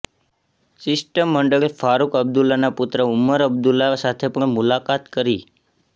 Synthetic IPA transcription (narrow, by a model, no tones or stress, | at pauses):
sɪsʈəmːəɳɖəɭefaɾukəb̚d̪ulanaput̪ɾəʊməɾəb̚d̪ulasat̪ʰepəɳmulakat̪kəɾi